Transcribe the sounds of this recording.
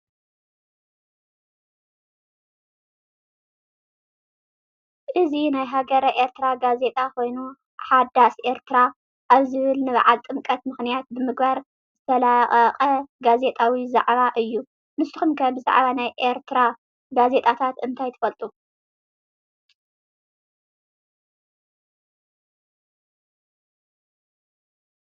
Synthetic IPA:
ʔɨzinajɦaɡɐɾɐʔe̞ɾt̪ʰɨɾaɡaze̞t̪ʼako̞jnu | ħad̪asʔe̞ɾt̪ʰɨɾa | ʔaβzɨβɨlnɨβʕalt̪ʼɨmkʼɐt̪mɨxnijat̪̚bɨmɨɡbaɾ | zɨt̪ʰɐlaχʼɐqʼɐɡaze̞t̪ʼawiza̰ʕβaʔɨjːu | mɨst̪ɨxumkʰɐbɨza̰ʕβanajʔeɾt̪ʰɨɾa | ɡaze̞t̪ʼat̪ʰat̪ɨnt̪ʰajt̪ʰɐ̥fɐlt̪ʼu

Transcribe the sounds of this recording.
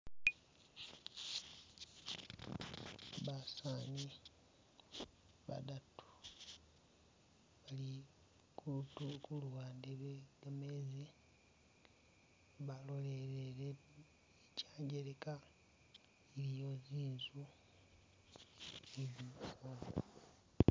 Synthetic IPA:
βasaːɲi | βa̰datʰu̥ | βali | kutukulwaːndeβeɡamezi | βalo̞leɾeɾe | icaːɲɟeɾeka | iɾijoziːnzu | eβukoːo

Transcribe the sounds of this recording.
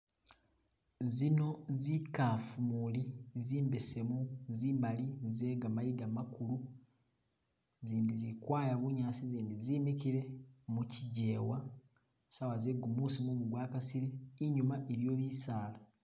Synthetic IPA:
zino̞zikafumuliziːmbe̞se̞muziːmbalizeːɡamajiɡamakulu | ziːndizikwaːjaβuɲaːsiziːndizimikiɾe̞muciɟe̞ːwa | sawazeɡumusimumuɡwaːkasiɾeːɲumaʔeɾjo̞ːβisaːla

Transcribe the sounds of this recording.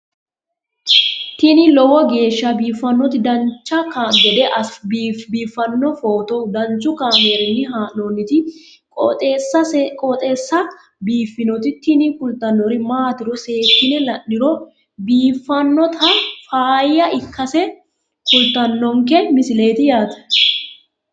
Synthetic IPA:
t̪ɪnɪlɔwɔɡe̞ːʃːɐbiːfːɐnːɔt̪ɪd̪ɐnt͡ʃːɐkand̪ɛd̪ɛʔɐsbbiːfːɐnːɔfoːt̪ɔd̪ɐnt͡ʃʊkaːmeɾɪnːɪɦaːonːɪt̪ɪ | kɔt̪ːsɐkʼɔt̪ʼeːsːɐ | biːfːɪnɔt̪ɪt̪ɪnɪkʊlt̪ːɐnːɔɾɪmaːt̪ɪɾɔse̞ːt̪ːɪnɛlɐʔːɪɾɔ | biːfːɐnːɔt̪ʰɐfaːjːɐʔɪkːɐsɛ | kʊlt̪ːɐnːɔŋkɛmɪsɪle̞ːt̪ɪjaːt̪ɐ̥

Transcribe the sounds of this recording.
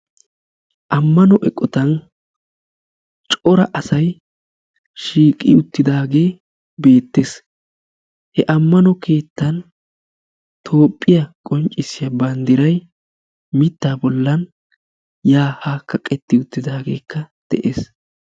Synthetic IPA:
ʔɐmːɐnɔʔɛkʼːɔt̪ɐn | t͡ʃʼɔɾɐʔɐsɐj | ʃiːkʼːɪʊt̪ːɪd̪aːɡe̞ː | be̞ːt̪ːes | hɛʔɐmːɐnɔkʰe̞ːt̪ːɐn | t̪ʰo̞ːpʼːɪjɐkʼɔnt͡ʃʼɪsːɪjɐbɐnd̪ɪɾɐj | mɪt̪ːaːbɔlːɐn | jaːhaːkːɐkʼɛt̪ːɪʊt̪ːɪd̪aːɡe̞̰ːkʰːɐd̪̥ɛ̰ʔeːs

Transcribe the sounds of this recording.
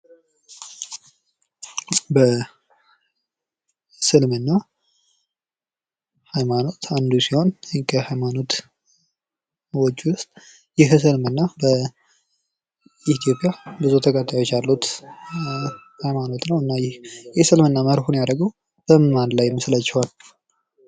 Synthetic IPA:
bə | sɨlmɨnːa | hajmano̞t̪ʰand̪ujsiho̞nkʰəhajmano̞t̪ | wɔt͡ʃːwʊst̪ʼ | jɪɦs̬ɨlmɨnːabə | it̪ʰjo̞pʼijabɨzut̪ʰəkʼət̪ʼːajo̞t͡ʃːalːut̪ | hajmano̞t̪nəwɨnːajɪhjɛsɨlmɨnːaməhɾhunjaɾəɡəw | b̥əmɨnmanlajːɛmːɨsɨlat͡ʃːɪhal

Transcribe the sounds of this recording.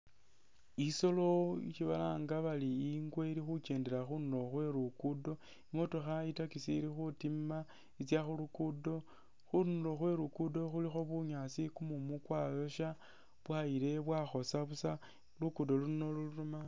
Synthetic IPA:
iso̞lo̞iʃiβalaːŋɡaβaliːŋɡweiɾixuke̞ːndelaxunuɾo̞xwe̞ɾukudo̞ | iŋo̞toxaitakisiːɾixutima | it͡sjaxulukudo̞ | xunlo̞xwe̞ɾukudo̞xulixo̞βuɲasikumumukwajo̞ʃa | βwaile̞βwaxo̞saβusa | lukudo̞luno̞luluɾuma

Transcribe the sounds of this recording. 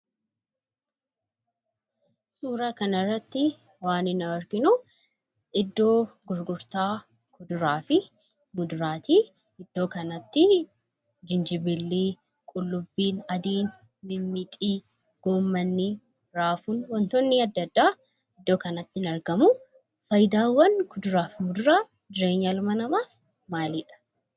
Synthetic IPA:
suːɾɐkɐnɐrːɐt̪ːɪ | waːnɪnɐwɔɾɡɪnʊ | ɪd̪ːo̞ːɡʊɾɡʊɾt̪aː | kɔd̪ʊɾaːfɪ | mʊd̪ʊɾaːt̪i | ɪd̪̥ːo̞ːkɐnɐt̪ːɪ | d͡ʒɪnd͡ʒɪbɪlːiː | kʼʊlːʊbːiːnɐd̪iːn | mɪmːɪt̪ʼiː | ɡ̥oːmːɐnːɪ | ɾaːfuːnwɐnt̪ɔnːɪɐd̪ːɐd̪ːaː | ɪd̪ːoːkɐnɐt̪ːɪnɐɾɡɐmʊ | fɐjɪd̪aːwːɐnkʊd̪ʊɾaːfɪmʊd̪ʊɾaː | d͡ʒ̪ɪɾe̞ːɲːɐlʊmɐnɐmaːf | maːliᶑɐ̥

